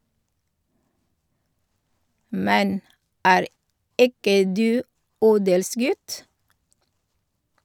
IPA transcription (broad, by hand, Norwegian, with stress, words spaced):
ˈmɛn ˈæːɾ ˈɪkə ˈdʉː ˈuːdəlˌsɡʉt